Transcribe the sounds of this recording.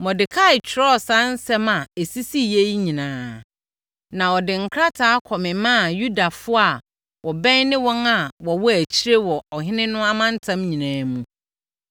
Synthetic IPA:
mɔ̃˨dɪ˨kʰa˦ɪ˨t͡ɕʰᶣɪ˨ɾɔ˦˨sã˦n̩˦sɛ˦mã˨e˨si˦si˦je˦i˦ɲĩ˨nãː˨ | nã˨ɔ˨dɪ˨ŋ̩˨kʰɾa˦tʰaː˦kʰɔ˨mɪ̃˨mã˦˨ju˦da˨fʊ˦a˨ | wʔɔ˨bɛ̃˦nnɪ̃˦wɔ̃˦na˨wɔ˨wɔ˦æ˨t͡ɕʰi˦ɾe˦wɔ˨ɔ˨ɦɪ̃˦nɪ̃˦nʊ̃˦a˦mã˦n̩˦tʰã˦mɲĩ˨nãː˨˦mũ˦

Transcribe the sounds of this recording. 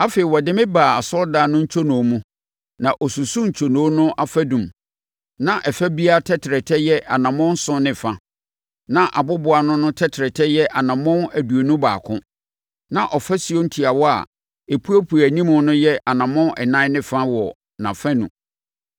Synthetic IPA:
a˦fe˨i˨wɔ˨dɪ˦mɪ̃˦baː˨a˨sɔ˦lda˨nʊ̃˦ɲ̩˦t͡ɕʰo˦nɔ̃˨˦mũ˦ | nã˨ʔɔ˨su˨su˦ɲ̩˨t͡ɕʰo˨nõ˨˦nʊ̃˦ʔa˦fæ˦dũ˨m | nã˨ʔɛ˨fæ˦bi˦a˦tʰɛ˦tʰɪ˨ɾɛ˨tʰɛ˦jɛ˦ʔa˨nã˨mʊ̃˦n̩˦sʊ̃˦nɪ̃˨fã˦ | nã˨ʔa̰˨bʊ˦bʊ˨a˨nʊ̃˦nʊ̃˦tʰɛ˦tʰɪ˨ɾɛ˨tʰɛ˦jɛ˦ʔa˨nã˨mʊ̃˦næ˨du˨o˨nũ˦baː˨kʰʊ̰̃˦ | nã˨ʔɔ˨fɛ˦si˨o˦n̩˦tʰi˨a˨wɔ˦a̰˨ | e˨pʰu˦æ˦pʰu˨æ˨nĩ˦mʊ̃˨˦nʊ̃˦jɛ˦ʔa˨nã˨mʊ̃˦nɛ̰˨nã˦nɪ̃˦fã˦wɔ˨ | nã̰˨fɛ̃˦nṵ̃˨

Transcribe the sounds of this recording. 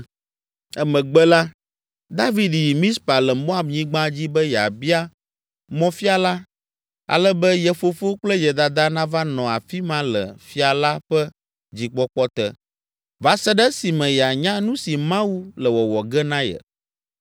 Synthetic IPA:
ɛ˦mɛ̃˨ɡ͡bɛ˦la˦ | d̪a˦vi˦dji˨mĩ˦spa˨lɛ˨mo˦a˦˨bɲĩ˦ɡ͡bã˦d͡ʑi˦bɛ˦ja̰˨bi˦a˦ | mɔ̃˦fi˦a˨la˦ | a̰˨lɛ˦bɛ˦jɛ˨fo˨fo˦k͡plɛ˦jɛ˨d̪a˨d̪a˦nã˦va˦nɔ̃˨a˨fi˦mã˦lɛ̰˨fi˦a˨la˦ɸɛ˦ | d͡ʑi˨k͡pɔ˦k͡pɔ˦t̪ɛ˦ | va˦sɛ˦ɖɛ˦si˨mɛ̃˨ja˨ɲã˦nũ˦si˨mã˦wu˦lɛ˨wɔ˨wɔ˨ɡɛ˦nã˦jɛ̰˨

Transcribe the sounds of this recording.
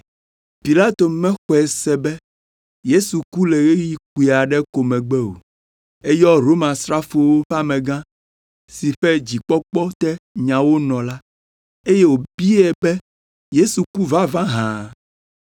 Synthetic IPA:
pi˨la˦t̪o˨mɛ̃˦xɔ˨ɛ˨sɛ˦bɛ˦ | je˦su˨ku˦lɛ˨ɣe˦ji˦ku˨i˨a˨ɖɛ˦ko˨mɛ̃˨ɡ͡bɛ˦o̰˨ | e˦jɔ˦ɾo˦mã˨sɾa˦fo˨wo˦ɸa˦mɛ̃˨ɡã˦ | si˨ɸɛ˦d͡ʑi˨k͡pɔ˦k͡pɔ˦t̪ɛ˦ɲã˨wo˦nɔ̃˨la˦ | e˦je˦wo˨bi˦ɛ˦bɛ˦ | je˦su˨ku˦va˦vã˦ɦã˨

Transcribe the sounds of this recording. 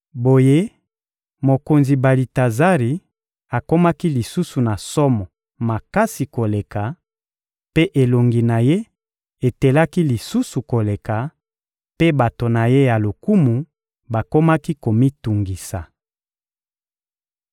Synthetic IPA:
bo˨je˦ | mo˨ko˨nzi˨ba˨li˨ta˨za˦ʁi˨ | a˨ko˦ma˦ki˦li˨su˦su˨na˨sɔ˦mɔ˨ | ma˨ka˦si˨ko˨le˨ka˨ | pe˦ʔe˨lo˨ŋɡi˨na˨je˦ | e˨te˨la˦ki˦li˨su˦su˨ko˨le˨ka˨ | pe˦ba˨to˨na˨je˦ja˨lo˨ku˦mu˨ | ba˨ko˦ma˦ki˦ko˨mi˦tu˨ŋɡi˨sa˨

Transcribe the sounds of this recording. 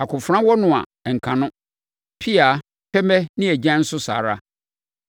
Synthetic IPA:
a˨kʰʊ̃˨fɾã˦wɔ˦nʊ̃˨ã̰˨ɛ˨ŋ̩˨kʰã˨nʊ̃˦ | pʰi˦a˨˦ | pʰɛ˦mɛ̃˦nɪ̃˦æ˨d͡ʑɛ̃˦n̩˦sʊ˦sa̰ː˨ɾa˦

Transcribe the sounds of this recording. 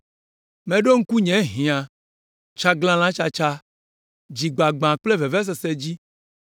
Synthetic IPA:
mẽ˨ɖo˦ŋ̩˦ku˦ɲɛ̃˨ɦĩ˨ã˨ | t͡ʃa˦ɡlã˦l̃ã˦t͡ʃa˦t͡ʃa˦ | d͡ʒi˨ɡ͡ba˨ɡ͡bã˨k͡ple˦ve˨vɛ˦s̬e˨se˦d͡ʑi˦

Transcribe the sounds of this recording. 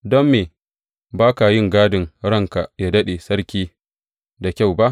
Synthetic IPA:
dɔ˦mːeː˨ | baː˦ka˨jɪ˦˨ŋɡaː˦dɪ˨ŋɽɐ˦˨ŋka˨jaː˦dɐ˦ɗe˨sɐ˦rkʲiː˦ | da˨kʲa˦˨wba˦ʔ

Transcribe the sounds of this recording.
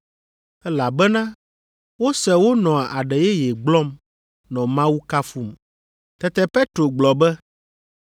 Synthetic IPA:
ɛ˦la˨bɛ˦nã˦ | wo˦sɛ˨wo˦nɔ̃˨a˨a˨ɖɛ˨jɛ˦jɛ˨ɡ͡blɔ˦m | nɔ̃˨mã˦wu˦ka˦fu˦m | t̪ɛ˦t̪ɛ˦pe˦t̪ɾo˨ɡ͡blɔ˨bɛ˦

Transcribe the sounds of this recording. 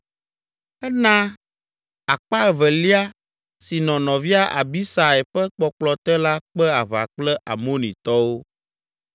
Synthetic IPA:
ɛ˦nã˦ | a˨k͡pa˦ɛ˨vɛ˨li˦a˦ | si˨nɔ̃˨nɔ̃˨vi˦a˦ʔa̰˨bi˦sa˨ɛ˨ɸɛ˦k͡pɔ˦k͡plɔ˦t̪ɛ˦la˦k͡pɛ˦a˨βa̰˨k͡plɛ˦ʔa˨mo˦nĩ˨t̪ɔ˦wo˦

